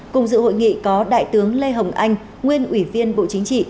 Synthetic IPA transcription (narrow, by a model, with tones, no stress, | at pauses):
kʊ̰˨˩ŋ͡mzɨ̰˧˨ho̰˧˨jŋḭ˧˨kɔ˨˦ɗa̰ː˧˨jt̪ɨ˨˦əŋle˧ɦə˨˩wŋ͡mʔa˧jŋ̟ | ŋwi˧ənʔwi˧˩vi˧ənɓo̰˧˨t͡ɕï˨˦ŋt͡ɕḭ˧˨